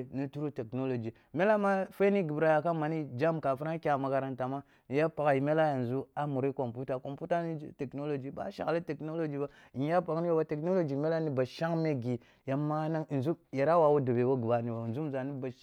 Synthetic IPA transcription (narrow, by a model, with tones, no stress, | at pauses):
ni˦tu˦ɾu˦te˨kno˦lo˨d͡ʒi˨ | me˦la˦ma˦fa˦ni˦ɡi˨bɾa˨ja˨ka˦ma˨ni˦d͡ʒa˦mka˨fu˦ɾa˦kʲa˦˨ma˨ka˨ɾa˦nta˨ma˦ | ni˨ja˦pa˨ka˨i˨me˦la˦ja˨n˨zu˦a˦mu˨ɾi˦ko˨mpu˦ta˨ko˨mpu˦ta˦nḭ˦te˨kno˦lo˨d͡ʒi˨ba̰˦ʃa̰˨kli˦te˨kno˦lo˦d͡ʒi˨˦ba˦i˨˦a˦pa˨kni˦o˦ba˦te˨kno˦lo˦d͡ʒi˨me˦la˦ni˦ba˨ʃa˦ŋme˦ɡi˨ | ja˨mːa˦na˦ŋ˨nzu˦je˨ɾa˦wa˨wu˦da˨be˨wo˦ɡu˨ba˨ni˨ba˨zu˦m˨za˨ni˦ba˨